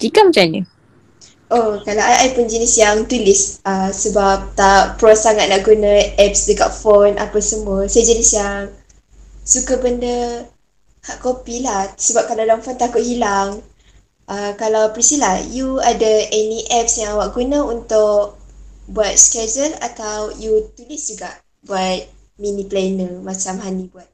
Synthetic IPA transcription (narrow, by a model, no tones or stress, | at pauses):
tikamət͡ʃani | ʔokalawajʔajpʊnd͡ʒənisjaŋt̪ulɪsəsəbap̚t̪apːɾɔsaŋat̪̚naʔɡunãʔɛp̚sdəka̰ʔ̚fonʔa̰pasəmuəsajəd͡ʒənisjaŋ | sukabəndə | haʔkopilahsəbap̚kalawdaŋfɔnt̪akʊʔ̚hilaŋ | ʔəkalawpəɾisilahjuadəɛniʔɛp̚sjaŋawaʔɡunə̃unt̪ʊʔ̚buat̪̚skɛd͡ʒəlat̪awjut̪ulɪsd͡ʒuɡaʔ | buat̪̚ | miniplanəmat͡ʃamɦanibuat̪̚